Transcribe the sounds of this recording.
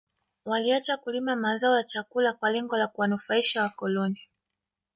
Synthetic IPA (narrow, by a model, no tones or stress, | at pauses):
waliat͡ʃakulimamazaɔjat͡ʃakulakwalɛŋɡɔlakuwanufaiʃawakɔlɔni